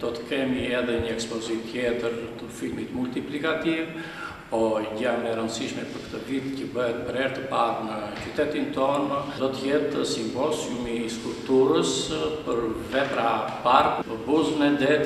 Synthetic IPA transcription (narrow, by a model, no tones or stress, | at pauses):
d̪̥ɔt̪ə̥kɛmiɛðɛɲəɛkspɔzit̪jɛt̪əɾt̪əfilmit̪mult̪iplikat̪iv | pɔɟamnɛɾənsiʃmɛpəɾkə̥t̪əvit̪cəbəɦɛt̪̚pəɾɛɾt̪əpaɾnəcyt̪ɛt̪int̪ɔnd̪ɔt̪əjɛt̪əsimbɔsumiskulpt̪uɾəspəɾvɛpɾapaɾkuəbuznɛd̪ɛt̪